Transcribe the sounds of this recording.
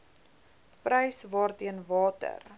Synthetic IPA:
pɾəjsvɑːrtiənvɑːtə̰r

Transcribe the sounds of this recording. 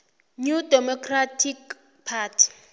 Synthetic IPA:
ɲudɛmɔkratʰik | pʰaːtʰi̥

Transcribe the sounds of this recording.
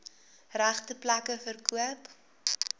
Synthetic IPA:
ræχtəplɐkəfərkʰuəp

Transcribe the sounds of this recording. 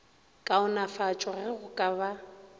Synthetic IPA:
kʼaʊnafat͡ʃʼɔrɪɣʊkʼaβa

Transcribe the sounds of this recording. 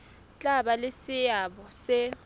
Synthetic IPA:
t͡ɬʼaɓalesɪjaɓɔsɪ

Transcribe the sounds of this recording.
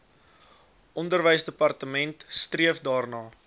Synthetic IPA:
ʔɔndərvəjsdəpɐrtəmɛntstriəfdɑːrnɑː

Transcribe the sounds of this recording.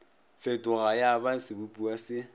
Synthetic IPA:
fɛtʼʊɣajaban̩sɪbupʼuasɪ

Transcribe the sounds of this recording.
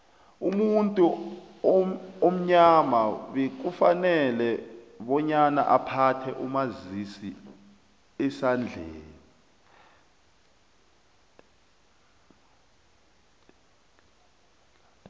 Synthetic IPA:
umuntʼu | om̩ɲamaɓɛk̬ufanɛlɛ | ɓɔɲana̰ʔapʰatʰɛʔumazisi | ɛsand͡ɮʱḛːni

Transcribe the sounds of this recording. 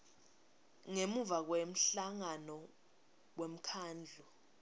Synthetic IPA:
ŋemuvak̬wem̩ɬaŋanɔ | wem̩kʰaːnd͡ɮʱu

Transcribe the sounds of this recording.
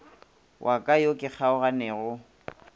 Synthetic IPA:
wʔakʼajokʼɪk͡xʰaʊɣanɛːɣʊ

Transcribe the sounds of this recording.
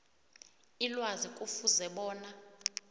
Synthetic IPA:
ilwazikʼufuzɛɓɔːna

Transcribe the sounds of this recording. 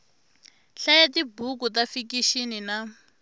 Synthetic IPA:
ɬajatibukut̬afikiʃinina

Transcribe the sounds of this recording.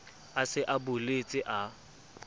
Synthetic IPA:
asɪʔabʊlet͡sʼɪʔa

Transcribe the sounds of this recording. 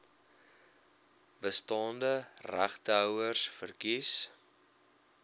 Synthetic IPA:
bəstɑːndəræχtəœwərsfərkis

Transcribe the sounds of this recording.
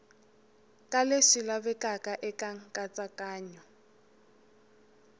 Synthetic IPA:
kʼaleʂilabɛkʼakʼaʔɛkʼaŋ̩kʼat͡sʼakʼaːɲɔ

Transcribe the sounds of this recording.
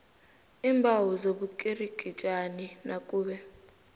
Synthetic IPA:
iːmbʱawuzoɓukʼiriɡ̥ʱit͡ʃʼaninakʼuːɓɛ

